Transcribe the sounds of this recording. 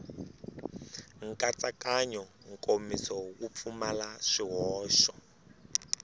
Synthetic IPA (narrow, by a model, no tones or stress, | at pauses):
ŋ̩kʼat͡sakaɲɔ | ŋ̩kʼomisɔwup̪fumalaʂiɦɔːʃɔ